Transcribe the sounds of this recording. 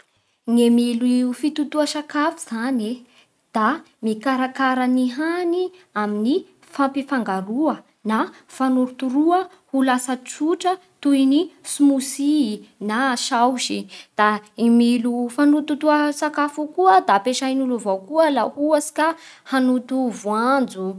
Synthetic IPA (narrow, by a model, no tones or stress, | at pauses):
ŋemilfit̪ut̪uəʃakafiz̥ane | d̪̥a | mikaɾakaɾaniɦaniamini | fampifaŋɡaɾuə | na | fanuɾut̪uɾuə | hulasət͡suʈ͡ʂə | t̪ujnisumusinaʃawʃid̪̥aimilufanut̪ut̪uəsakafukuəd̪apeʃajnuluvawkuəlahuəsi̥kahanut̪uvwand͡zu